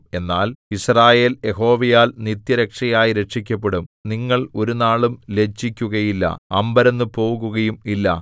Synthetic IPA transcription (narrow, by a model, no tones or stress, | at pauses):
e̞nːaːlisraːje̞ːlje̞ɦo̞ːʋɐjaːlnit̪jɐɾɐkʂɐjaːjiɾe̞ʂikʲːɐpːe̞ɽumniŋːɐɭo̞ɾunaːɭumle̞t͡ɕːikʲːuɣɐjilːɐ̰ɐmbɐɾenːɨpo̞ːuɣuɣɐjumilːɐ̰